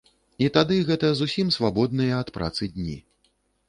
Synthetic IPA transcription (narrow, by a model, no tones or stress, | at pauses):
it̪ad̪ɨɣɛt̪ɐzusʲimsvabɔd̪̚nɨjɐːt̪pɾʔa̰t̪sɨd̪ʲnʲḭ